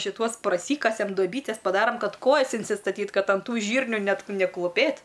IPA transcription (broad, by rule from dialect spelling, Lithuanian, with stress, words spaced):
ʃʲɪˈtuɔs prɐˈsʲiːkɐsʲɛm doːˈbʲiːtʲɛs pɐˈdɑːrɐm ˈkɐt ˈkoːjɛs ɪnʲsʲɪstɐˈtʲiːt ˈkɐt ɐn ˈtuː ˈʒʲiːrʲnʲuː ˈnʲɛt nʲɛklˠʊˈpʲeːt